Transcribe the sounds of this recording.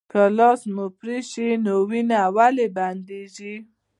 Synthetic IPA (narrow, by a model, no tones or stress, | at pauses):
kalɑsmupɾiʃinowinaːwaleband̪eʒi